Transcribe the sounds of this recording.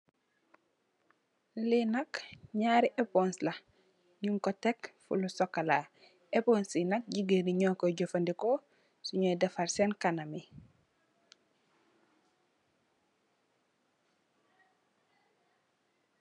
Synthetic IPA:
linɐkɲaːɾiʔeponslɐ | ɲuŋkɔtekfṵlusɔkːala | eponsinɐk̚ɟiɡəniɲɔːkoɟofɐndiko | suɲojdɐfaɾsenkanɐmi

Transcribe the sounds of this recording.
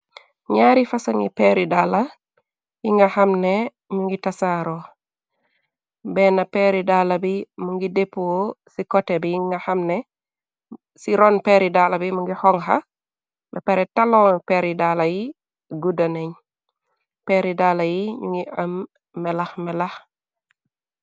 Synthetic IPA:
ɲaːɾifɐsɐŋipeɾidaːla | jiŋɡɐhɐmnɛ | ɲuŋɡitasaɾo | bɛnapɛɾidaːlabimuŋɡidepːuwosikɔtːɛbijiŋŋɡɐhamnɛ | siɾɔːnpeɾidalabimuŋɡihɔŋɦa̰ | bɛpɛɾɛtalɔpeɾidalaji | ɡudaneɲ | peɾidalajiɲuŋɡiɐmː | ɛlaxmɛlax

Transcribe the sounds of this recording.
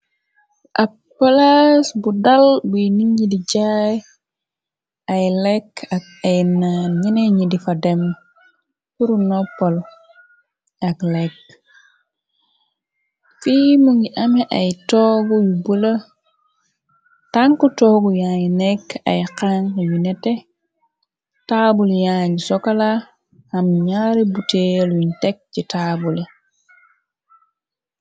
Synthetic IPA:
ʔa | pːalasbudalbuniɲidid͡ʒaj | ajlɛkak̚ | ajnanɲineɲidifadem | kuɾunɔpːɔl | aklek | fimuŋiʔamiʔajtɔɡujubula | taŋkutɔɡujaɲneka̰jqaŋkajunete | tabuljaɲsɔkala | hamɲaɾibuteluntek̚t͡ʃitabuli

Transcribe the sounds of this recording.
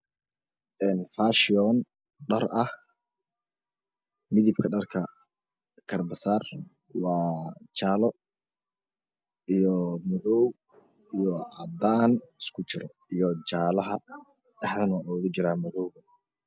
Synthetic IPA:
ʔɛːnfaːʃɪɔːn | ɖɐrɐh | mɪðɪb̚kʰɐɖɐrkʰɐ | kʰɐrbɐsaːr | wɑːt͡ʃaːlɔ | ijɔmɔðɔw | ijɔʕɑd̪aːnɪskʰʊt͡ʃɪɾɔ | ijɔt͡ʃaːlɐɦɐ | ɐħðɐnʔɔɣʊt͡ʃɪɾaːmɔðɔwɣɐ

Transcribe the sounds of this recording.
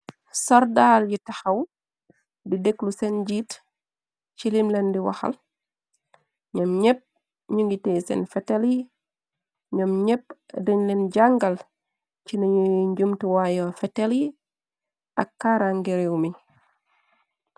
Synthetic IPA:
sɔɾdalɟitɐxɐw | dideklusenɟiːt | cilimlɛndiwa̰xɐ̰l | ɲɔmɲɛp̚ | ɲuŋɡiteːsɛ̰nfɛteli | ɲɔmɲɛp̚diɲlɛnɟaŋɡɐl | ciniɲuɲɟumtiwajɔfɛteli | ʔɐkːaːɾaŋɡeɾiwmi

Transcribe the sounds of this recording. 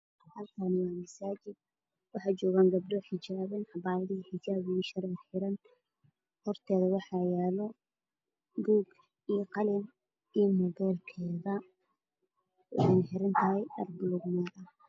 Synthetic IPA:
hɐlkʰɐnɪwɑːmɐsaːt͡ʃɪd̪̚ | wɑħɑːt͡ʃɔːɣaːŋɡɐb̚ɖɔħɪt͡ʃaːβɐnħɑbaːɾɐðiħɪd͡ʒaːβʃɐɾɪħɪɾɐn | hɔrt̪ʰɛːðɐwɑħɑjaːlɔ | ɡuːɡ | ijqɑlɪn | ijmɔbɛːlkʰɛːðɐ | ɛnħɪɾɐnt̪ʰɐɦɛjʔɐ̰rɡʊlɔɡnɛðɐ

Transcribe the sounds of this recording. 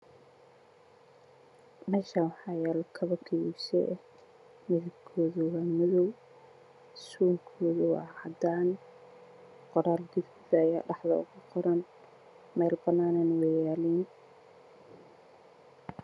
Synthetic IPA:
mɛːʃaːnwɑħɑːjaːlkʰɐβɐkʰɪwṵsɛ̰ɛ | mɪðɪbkʰɔːðʊwɑːmɪðɔw | suːŋkʰɔːðʊwɑ̰ːʕɑd̪aːn | qɔɾaːld̪ɪffɪðɐɐja̰ːɖɑħðɐ̰ʊ̰ɣʊqɔɾɐn | mɛːlbɐnaːnanwɛjaːliːn

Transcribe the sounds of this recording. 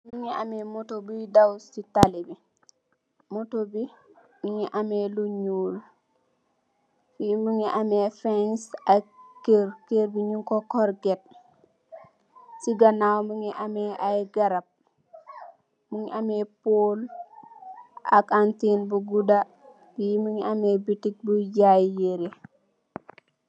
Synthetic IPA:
muŋiamemotobudawsitalibi | motobi | muŋiʔameluɲul | fimuŋiʔamefansakeɾkeɾbiɲuŋkokɔɾɡet̚ | siɡɐnawmuŋiʔamɛajɡɐɾɐp̚ | muŋiʔamɛpoːl | akantinbuɡuda | iimuŋiamebitik̚bujajːeɾe

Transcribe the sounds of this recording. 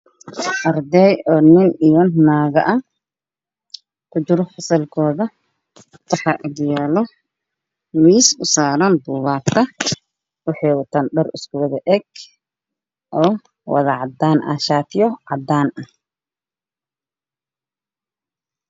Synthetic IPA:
ʔɐrd̪ɛjɔːnɪnɪjɔnnaːɣɐʔɐ | kʰʊt͡ʃɪɾɔħʊsɐlkʰɔːðɐ | wɑħɑːʔɐdjɛːlɔ | miːsʊsaːɾɐnb̪uːβaːt̪ʰɐ | wʊħɛːwɐt̪ʰɐnɖɔrɪskʰʊwɐðɐʔɛɡ | ʔɔː | wɐ̰ðɐʕɑd̪aːnʔɐ̰ʃaːt̪ʰɪjɔʕɑd̪aːnɐ

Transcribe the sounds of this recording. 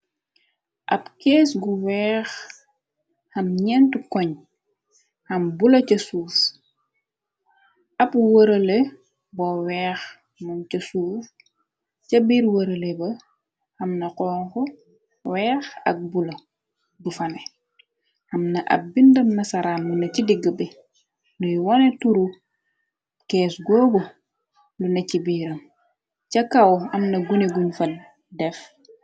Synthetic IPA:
ʔɐpkɛːsɡuwɛːx | hɐmɲɛntukɔɲ | hɐmbulɐcɐsuːf | ʔɐpwəɾɐle | bɔwɛːx | mɐncɐsuːf | cɐbiːɾwɐɾɐlɛbɐ | xɐmnɐqɔːŋkɔ | wɛːxɐ̰k̚bulɐ | dufɐnɛ | ʔɐmnɐʔɐ̰p̚bindɐmnɐsɐɾaːnlunɐcidiɡːəbɛ | lujwɔnɛtuɾu | kɛːsɡɔːɡɔ | lunɐcibiːɾɐm | cɐkɐwɐmnɐɡuneɡunfɐ | dɛf

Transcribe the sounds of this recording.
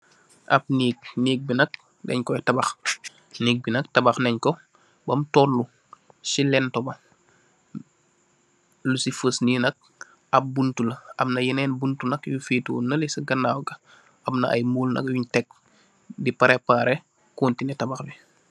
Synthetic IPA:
ʔɐp̚niːk̚niːk̚binɐk̚ | nɛ̰ɲkɔjɛtɐbɐx | niːk̚binɐk̚tɐbaxnɛɲkɔ | bɐmtɔlːu | silɛntɔbɐ | lusifəsninɐk̚ | ɐp̚buntulɐɐmnɐjinɛːnbuntunɐkjufiːtuːnɐlisɐɡɐnːaːwɡɐ | ʔɐmnɐʔɐ̰jmuːlnɐ̰kjuɲtɛk̚ | dipaɾɛpaːɾɛ | kuːntinɛtɐbaxbi

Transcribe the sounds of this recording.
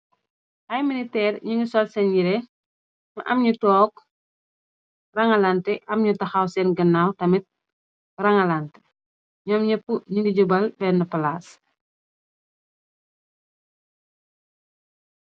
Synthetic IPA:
ʔɐjminitɛːrɲiŋɡisɔlsɛnjiɾɛ | ɲuʔɐmɲutɔːk̚ | rɐŋɐlantɛʔɐmɲutɐxawsɛnɡɐnːaːwtɐmit̚ | rɐŋɐlantɛ̥ | ɲɔmɲɐpːuɲiŋɡiɟubɐlbɛnːəpɐlaːs

